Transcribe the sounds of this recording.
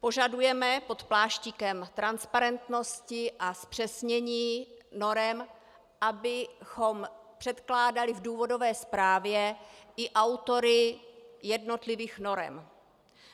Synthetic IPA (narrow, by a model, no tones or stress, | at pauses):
po̞ʒadujɛmɛpo̞t̪plaːʃcikɛmt̪ɾanspaɾɛnt̪no̞scɪʔaspr̝̥ɛsɲɛɲiːno̞ɾɛm | ʔabɪxo̞m | pr̝̥ɛt̪klaːdalɪvduːvo̞do̞vɛːspɾaːvjɛʔɪʔawt̪o̞ɾɪjɛdno̞t̪lɪviːxno̞ɾɛ̰m